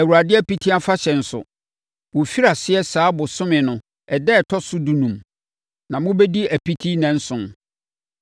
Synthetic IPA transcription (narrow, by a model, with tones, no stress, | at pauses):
æ˨wu˨ɾa˨dɪ˦æ˦pi˦tʰi˦a˦fa˦ɕɛ˨n̩˨sʊ̰˨ | wʊ˨fi˦ɾa˨sɪ˦ɛ˦saː˨˦bʊ˨sʊ̃˦mɪ̃˨nʊ̃˨ | ɛ˨dɛ˦˨tʰɔ˦sʊ˦dũ˨nũ˨m | nã˨mʊ̃˦bɛ˦di˦æ˨pi˦tʰi˦nɛ̃˦n̩˦sʊ̃˨n